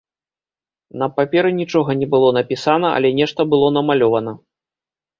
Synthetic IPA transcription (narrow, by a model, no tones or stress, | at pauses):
nɐpapʲɛɾɨnʲit͡ʂɔɣɐnʲɛbɨlˠɔn̪ɐpʲisanɐɐ̰lʲɛnʲɛʂt̪ɐbɨlˠɔnɐmalʲɔvɐnɐ